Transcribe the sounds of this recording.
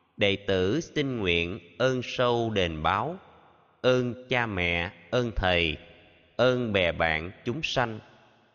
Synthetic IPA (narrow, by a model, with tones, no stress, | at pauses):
ɗə̰˧˨jt̪ɨ˧˩sï˧ŋ̟ŋwḭ˧˨ənʔəː˧nsə˧wɗe˨˩nɓaː˨˦w | ʔəː˧nt͡ɕaː˧mɛ̰˧˨ʔəː˧nt̪ʰə˨˩j | ʔəː˧nɓɛ˧˩ɓa̰ː˧˨nt͡ɕʊ˨˦ŋ͡msa˧jŋ̟